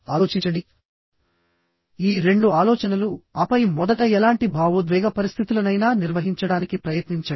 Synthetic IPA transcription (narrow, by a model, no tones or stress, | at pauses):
aːloːt͡ʃit͡ʃɐɳɖi | iːɾe̞ɳɖuaːlɔːt͡ʃɐnɐluɐpɐjmɔd̪ɐʈɐɛlaːɳʈibʱaːʋud̪ʋɛːɡʱɐpɐɾist̪ʰit̪ulɐnɐjnaːniɾʋɐɦiɲt͡ʃɐɽaːnikipɾɐjɐt̪niɲt͡ʃɐi